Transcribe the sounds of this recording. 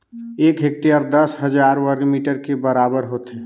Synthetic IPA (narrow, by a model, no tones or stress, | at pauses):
eːkɦek̚ʈiəɾd̪əsɦəd͡ʒaɾwəɾɡmiʈəɾkebəɾabəɾɦot̪e